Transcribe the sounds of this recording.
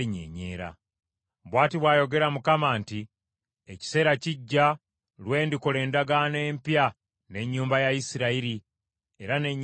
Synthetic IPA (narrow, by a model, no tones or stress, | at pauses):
ɲḛɲe̞̰ːɾa̰ | βwaːtiβwaːjo̞ɡe̞ɾamukamaːnti | eci̥se̞ːɾaciɟːa | lwe̞ːndikole̞ːndaɡane̞ːmpja | ne̞ɲːuːmbajaisiɾaiɾi | e̞ɾaneɲ